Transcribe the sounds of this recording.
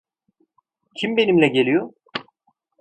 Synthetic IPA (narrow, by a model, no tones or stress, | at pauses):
cʰimbe̞nimlʲɛɟe̞lʲijo